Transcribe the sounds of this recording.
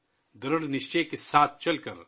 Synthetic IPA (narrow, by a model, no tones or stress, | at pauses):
d̪ɐɾəɽnɪʃt͡ʃekesaːt̪̚ʰt͡ʃɐlkəɾ